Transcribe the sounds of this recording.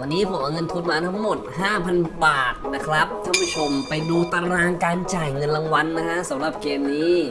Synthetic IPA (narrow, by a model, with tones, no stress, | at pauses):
wa˧nːiː˦˥pʰo˨˩˦mʔaː˧ŋɤ˧nt̪ʰu˧nmaː˧t̪ʰa˦˥ŋmo˨˩t̪̚ɦaː˥˩pʰa˧nbaː˨˩t̪̚na˦˥kʰɾa˦˥p̚t̪ʰaː˥˩pʰu˦˥t͡ɕʰo˧mpa˧jduː˧t̪a˧ɾaː˧ŋkaː˧nt͡ɕaː˨˩jŋɤ˧nla˧ŋwa˧nːa˦˥kʰa˦˥ʔsa˩˦mɾa˨˩p̚keː˧mniː˦˥